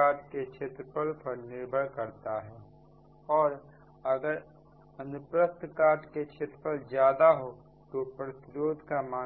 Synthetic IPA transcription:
aːʈket͡ʃʰeːt̪ɾəpəlpəɾnɪɾbʱəɽkɐɾt̪aɦɛː | ɔːɾ | ɐɡəɾ | ɐnʊpɾək̚t̪ʰkaːʈket͡ʃʰet̪ɾəpəld͡ʒjaːd̪aɦo | t̪opɾɐt̪ɪɾoːd̪ʱkamaː

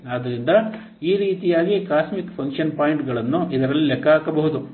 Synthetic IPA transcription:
ɐd̪ɐɾind̪ɐ | iːɾiːt̪ijaːɡikaːsmikpʰɐŋkʂɐnpaːjiɳʈɡɐɭɐnːuʔid̪ɐɾɐlːilɛkːaːkɐbɐɦud̪u

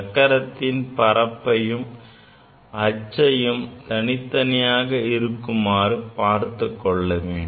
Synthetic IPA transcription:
kːɐɾɐt̪ːɪnpɐɾɐpːɐjɯm | ʔɐt͡ʃːɐjɯmt̪ɐnɪt̪ːɐnɐjaːɣɐɪɾɯkːɯmaːɾɯpaːɾt̪ɯkːɔɭːɐʋeːɳ

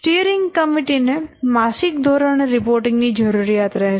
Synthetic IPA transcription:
ʈiəɾɪŋɡkəmiʈinemasɪk̚d̪ʱɔɾəɳ̃eɾɪpoɾʈɪ̃ŋɡnid͡ʒəɾuɾijat̪ɾɛɦ

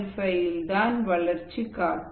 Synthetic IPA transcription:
sɐjɪld̪aːnʋɐɭɐɾt͡ʃikaːɾ

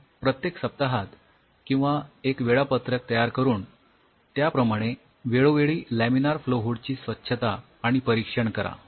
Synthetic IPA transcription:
pɾət̪jeksəp̚t̪aɦat̪ | kĩw̃ʋaekʋeɭapət̪ɾək̚t̪əjaɾkəɾuːn | t̪japɾəmaɽ̃e | ʋeɭoʋeɭiːlæminaɾfloɦuɽt͡ɕiːsʋətːɕʰət̪aː | ɽ̃ipəɾikʂəɳkəɾa̰

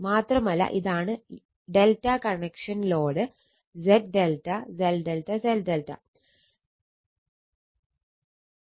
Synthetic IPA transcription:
maːt̪rɐmɐlːɐ̰ʔiðaːɳɨ | ɖelʈɐkɐɳekʂɐnilo̞ːɽɨ | d͡ʑeʈ̚ɖelʈːɐzelɖelʈɐselɖelʈːɐ̰

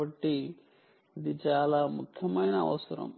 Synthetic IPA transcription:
ɐʈːi | id̪it͡ʃaːlaːmukʰjɐmɐjnɐɐ̰ʋɐsɐɾɐ̰m

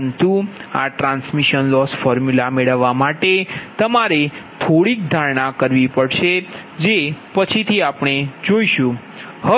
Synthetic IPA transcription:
nt̪ua̰ʈɾãnsmiʃənlɔsfɔɾmjulameɭəʋːamaʈet̪əmaɾet̪ʰoɽik̚d̪ʱaɭɳakəɾʋipəɽʃe | d͡ʒepət͡ʃʰit̪ʰiapɳ̃ed͡ʒoiʃũ | hə

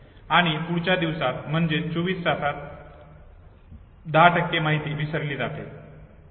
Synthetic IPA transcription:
aɽ̃ipuɽt͡ɕad̪iʋsat̪̚m̤əɳd͡ʑet͡soʋiːssat̪ʰat̪̚ | d̪aʈʰəkːemaɦit̪iːʋisəɾliːd͡zat̪e

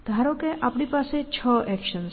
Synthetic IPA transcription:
d̪ʱaɾõkẽʔapɽ̃ipaːset͡ʃʰɔʔɛkʃəns

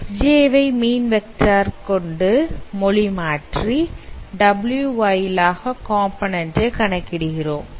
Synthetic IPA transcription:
d͡ʒeːʋɐɪmiːnʋɛk̚ʈaːɾkɔɳɖɯmɔɭimaːʈriɖɐbɪljuʋɐjɪlaːɣɐkaːmpɐnɐndeɪkɐɳɐkːɪɽɯɣɪroːm

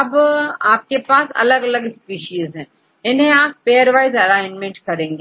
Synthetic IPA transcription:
ɐbaːp̚kepaːsɐ̰lɐɡɐlɐɡspiːʃiəsɦɛ̃ː | eneaːp̚peːjɐɾʋaːjzɐlaːɪnmẽɳʈkɐɾeːŋɡe

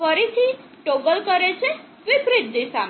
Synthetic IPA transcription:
ʌɾit̪ʰi | ʈoɡəlkəɾet͡ʃʰe | ʋipɾit̪̚d̪isa

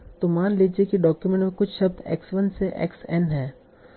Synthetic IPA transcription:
t̪omaːnleːd͡ʒiekiɖɔːkjumẽɳʈmẽkʊt͡ʃʰʃɐb̚t̪ɛ̰ːksʋɐnseʔɛ̰ːksɛnɦɛ̃ː

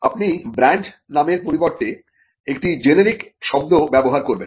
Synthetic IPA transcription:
a̰pnibɾaɳʈ | nameɾpoɾiboɾt̪e | ek̚ʈid͡ʑeneɾikʃɔb̚d̪obɛboɦaɾkoɾben

